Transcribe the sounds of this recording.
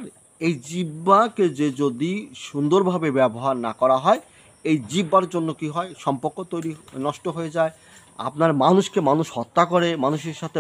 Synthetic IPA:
ɾ | ejd͡ʑibːaked͡ʑed͡ʑod̪iʃund̪oɾbʱabebɛboɦaɾnakɔɾaɦɔe | ejd͡ʑibːaɾd͡ʑonːokiɦɔeʃɔmpoɾkːot̪ojɾinɔʃʈoɦoed͡ʑae | a̰pnaɾmanuʃkemanuʃhɔt̪ːakoɾemanuʃeɾʃat̪ʰe

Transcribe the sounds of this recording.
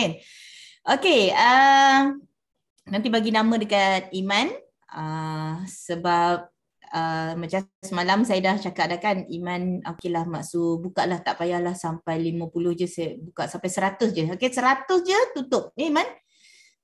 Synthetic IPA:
ɛn | ʔokeə | nant̪ibaɡinamə̃dəkat̪̚iman | ə | səbap̚ | əmãt͡ʃasəmalamsajədaht͡ʃakaʔ̚dakanimãnokelahmaʔsubukaʔlaht̪aʔpajahlahsampajlimə̃pulʊhd͡ʒəsabukaʔsampajsəɾat̪ʊsd͡ʒəokesəɾat̪ʊsd͡ʒət̪ut̪ʊp̚əiman

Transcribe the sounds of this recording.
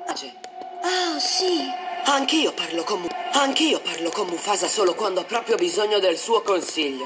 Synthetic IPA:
at͡ʃe | asiaŋkiːoparlokomuaŋkiːoparlokomufaːzasoːlokwand̪oapːɾɔːpɾjobizoɲːod̪elsuːokonsiʎːo

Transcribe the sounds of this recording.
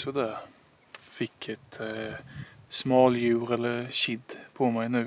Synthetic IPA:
ɔd̪æ | fɪkʰːɛt̪ | smɑːljʉːɾɛlːəɾʃɪd̪pʰɔmæɪnʉː

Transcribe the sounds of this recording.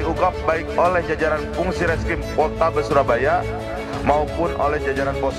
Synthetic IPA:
iuɡap̚baɪk̚olɛhd͡ʒad͡ʒaɾanfuŋsiɾɛskɪmpɔt̪abəsuɾabaja | maupʊnʔo̰lɛhd͡ʒad͡ʒaɾanpɔ

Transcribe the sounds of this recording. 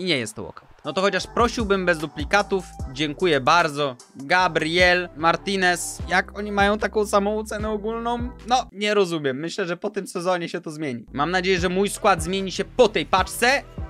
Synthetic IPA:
iɲɛjɛ̰st̪ːɔ̰wɔ̰kanɔt̪ɔxɔt͡ɕaʂpɾɔɕiwbɘmbɛzd̪uplʲikat̪ufd͡ʑɛŋkujɛbaɾd̪zɔ | ɡabɾjɛlmaɾt̪inɛsjakɔɲimajɔ̃w̃t̪akɔ̃w̃samɔ̃w̃ɔt̪sɛnɛɔɡulnɔ̃w̃nɔɲɛɾɔzumʲjɛmːɘɕlɛʐɛpɔt̪ɘmsɛzɔɲɛɕɛt̪ɔzmʲjeɲimamnad͡ʑejɛʐɛmujskwad̪zmʲjeɲiɕɛpɔt̪ɛjpat͡ʂt̪sɛ

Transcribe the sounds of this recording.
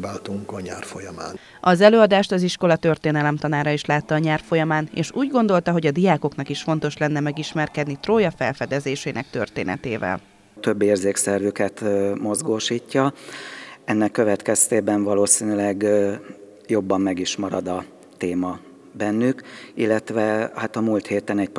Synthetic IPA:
baːt̪uŋkɒɲaːrfojɒmaːn | ɒzɛløːɒd̪aːʃt̪ɒziʃko̞lɒt̪ørt̪eːnɛlɛmt̪ɒnaːɾɒiʃlaːt̪ːɒːɲaːrfo̞jɒmaːnḛːʃuːɟɡo̞nd̪o̞lt̪ɒɦo̞ɟɒd̪ijaːko̞knɒkiʃfo̞nt̪o̞ʃlɛnːɛmɛɡiʃmɛrkɛd̪nit̪roːjɒfɛ̰lfɛd̪ɛzeːʃeːnɛkt̪ø̞̰rt̪ḛːnɛ̰t̪ḛːvɛ̰l | t̪øbːeːrzeːksɛrvykɛt̪mo̞zɡoːʃiːcːɒ | ɛnːɛkːøvɛt̪kɛst̪eːbɛɱvɒloːsiːnylɛɡ | jo̞bːɒmːɛɡiʃmɒɾɒd̪ɒ | t̪eːmɒ | bɛnːykilːɛt̪ʋɛhat̪ɒmult̪heːt̪ɛnɛcp

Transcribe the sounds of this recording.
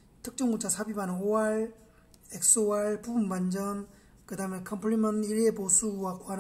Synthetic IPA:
tʰɯk̚t͡ɕ͈uŋɡut͡ɕʰasʰabimanoaɭ | ek̚s͈owaɭpubunband͡ʑʌm | kɯdamekʰʌmpʰɾimʌniɾeposʰuwakwaɾ

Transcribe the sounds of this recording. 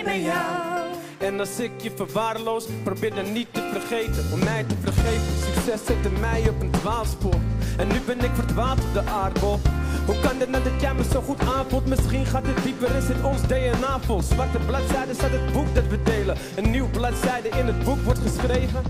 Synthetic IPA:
ɛnɑsɪkjəfərʋaːrlowsprobɪːdanitːəfərχejtəɔmːɛjtəfərχejfənsyksɛsɛtəmɛjɔpəntʋaːlˠspʊrɛnːybɛnɪkfərdʋaːlˠtɔp̚dəʔarboɦukɑndɪtnɛt̚dətjɛməsowχutaːnfɔlˠtmɪsχinχaːtət̚dipəɾɪsɛtɔnsdejənaːfɔlˠsʋartəblatsɛjdəsatət̚buk̚dɑtʋədejlə | ənːywblɑtsɛjdəʔɪnət̚bukʋɔrtχəsχrejvə

